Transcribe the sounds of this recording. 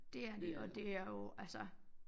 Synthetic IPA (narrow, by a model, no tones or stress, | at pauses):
d̥e̝æɐd̥e̝ʔɒd̥e̝æɐjo̝ælsɐ